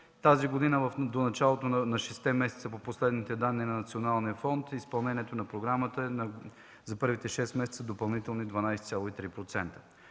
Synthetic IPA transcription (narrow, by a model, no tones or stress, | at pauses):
t̪aziɡod̪inəvɐfd̪onɐt͡ʃalˠot̪onnɐʃɛst̪ɛmɛsɛt̪səpoposlɛd̪nit̪ɛd̪anːinɐnɐt̪sionalˠnijəfɔnt̪ispɐlˠnɛniɛt̪onɐpɾoɡɾamət̪əɛnɐ | zɐpɤɾvit̪ɛʃɛst̪mɛsɛ̥t̪əd̪opɐlˠnit̪ɛlˠnid̪vɐnajsɛt̪ʲalˠoit̪ɾipɾot̪sɛnt̪ə̥